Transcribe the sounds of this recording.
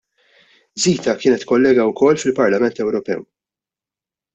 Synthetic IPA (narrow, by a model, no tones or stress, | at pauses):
ziːt̪ɐkɪːnɛt̪kɔlːɛːɡɐwkɔlːfɪlpɐɾlɐmɛnt̪ɛwɾɔpɛ̰w